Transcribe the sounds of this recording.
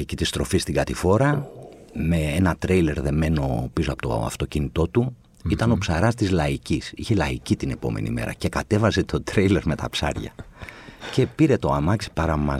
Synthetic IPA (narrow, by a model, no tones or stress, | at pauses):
ecit̪ist̪ɾo̞fist̪iɡɐt̪ifo̞ɾɐ | me̞enɐt̪ɾejle̞ɾðe̞me̞no̞pisoɐpot̪o̞̰ɐ̰ft̪o̞cinit̪o̞t̪u | it̪ɐno̞psɐɾɐst̪izlɐicisiçe̞lɐicit̪ine̞po̞̰me̞̰nḭmḛɾɐ̰ce̞kɐt̪e̞vɐse̞t̪ʰo̞t̪ɾejle̞ɾme̞t̪ɐpsɐ̰ɾʝɐ̰ | ce̞piɾe̞t̪o̞ɐmɐksi̥pɐɾɐmɐ